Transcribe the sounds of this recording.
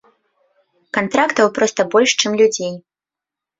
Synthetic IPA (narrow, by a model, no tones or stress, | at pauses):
kant̪ɾakt̪ɐwpɾɔst̪ɐbɔlʲʂt͡ʂɨmlʲud͡zʲej